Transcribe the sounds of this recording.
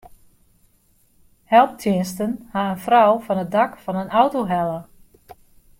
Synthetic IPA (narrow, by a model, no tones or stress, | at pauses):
hɛlˠp̚tʰjɪənstənhaənfrawfɔnət̚dakfɔnənawtoɦɛlˠə